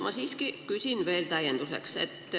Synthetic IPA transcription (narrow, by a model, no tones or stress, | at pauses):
mɑsiskikysinʋeilt̪æjent̪usḛksḛt̪ː